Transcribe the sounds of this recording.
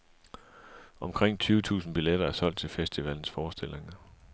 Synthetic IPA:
ɒ̽mkʰʁeŋ̰t͡sʰyːʊət͡sʰṵːsn̩b̥ileɾ̥ɐæɐsɒ̽l̰d̥̚t͡sʰe̝lfesd̥iʋæln̩sfɒːsd̥e̝l̰e̝ŋɐ

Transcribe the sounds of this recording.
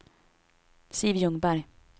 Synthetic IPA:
sivjɵŋbaɾj

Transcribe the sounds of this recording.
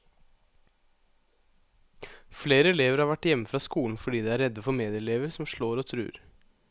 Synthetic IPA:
fleːɾəɛleːʋəɾhɑːɾʋæʈjɛməfɾɑːskuːln̩fɔɖiːd̪ɛːæɾɛd̪əfɔɾmeːd̪ɪəɛleːʋəɾsɔmʃɭoːɾoːt̪ʰɾʉ̰ːɾ

